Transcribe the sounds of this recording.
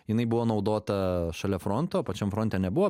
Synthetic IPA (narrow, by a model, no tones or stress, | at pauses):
jɪnɐɪbʊʋoːnɒʊd̪oːt̪ɐʃɐlʲɛfɾont̪oːpɐt͡ʃʲɛmfɾont̪ʲɛːnʲɛbuʋoː